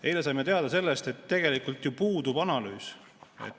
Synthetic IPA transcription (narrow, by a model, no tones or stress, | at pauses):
e̞jlesɑjmet̪e̞ɑd̪̥ɑse̞lːest̪e̞t̪ːe̞ɡ̥e̞likˑult̪jupuːd̪ubɑnɑlyːs | ḛt̪